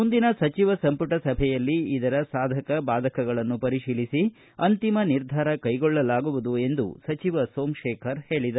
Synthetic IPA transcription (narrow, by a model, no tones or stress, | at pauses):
mund̪inɐsɐt͡ʃiʋɐsɐmpuʈɐsɐbʱɛjɐlːiːd̪ɐɾɐsaːd̪ʱɐkɐbaːd̪ʱɐkɐɡɐɭɐnːupɐɾiʂiːlisi | ɐnt̪imɐniɾd̪ʱaːɾɐkɐjɡɔɭːɐlaːɡuʋud̪ue̞nd̪ṵsɐt͡ʃiʋɐsoːmʂɛːkʰɐɾhe̞ːɭid̪ɐ